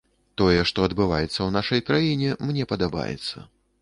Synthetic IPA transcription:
t̪ɔjɛʂt̪ɔɐd̪bɨvajɛt̪sːɐwnaʂɐjkɾajinʲɛmnʲɛpɐd̪aba̰jɛ̰t̪sːɐ̰

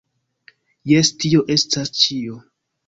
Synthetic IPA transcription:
jestio̞ʔe̞stast͡ʃio

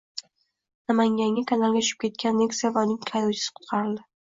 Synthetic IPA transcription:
namaŋɡʲaŋʲakʰanalˠɡʲat͡ʃʰʊ̥ʃɪ̥p̚kʲe̞t̪̚kʲanːeksijavaʊnɪŋkʰajowt͡ʃʰɪ̥sɪ̥qʰʊ̥t̪̚qʰɑɾɪld̪ɪ

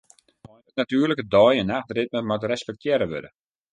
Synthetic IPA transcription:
mɔjdətnatyːrləkədɔjənaxdrɪt̚mətmatrɛspɛk̚tjɛɾəʋø̰də

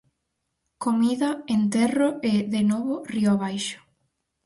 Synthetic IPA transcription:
komiðɐent̪ɛrʊeðenoβʊriʊaβ̞ajʃʊ̥

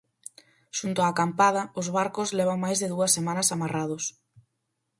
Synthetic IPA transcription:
ʃunt̪ʊakampaðɐʊzβaɾkʊzlɛβaŋmajzðɪðuɐsːemãnɐsamarað̞ʊs

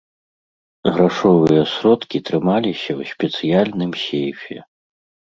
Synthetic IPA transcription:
ɣɾaʂɔvɨjɐsɾɔt̪kʲit̪ɾɨmalʲisʲɐwsʲpʲɛt̪sɨjalʲnɨmsʲejfʲɛ̰

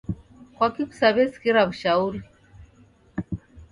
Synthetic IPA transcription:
kwakiku̥saβɛskiɾaβuʃauɾi

